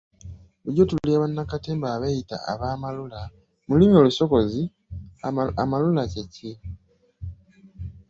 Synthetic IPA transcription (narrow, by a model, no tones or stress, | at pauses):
uɟotulliaβanːakateːmbaːβejita̰a̰βaːmalula | mulimio̞luso̞ko̞zi | amalulaceci